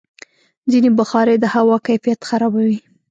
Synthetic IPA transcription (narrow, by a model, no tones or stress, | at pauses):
zinebaxɑɾed̪əhawɑkajfijat̪xaɾɑbawi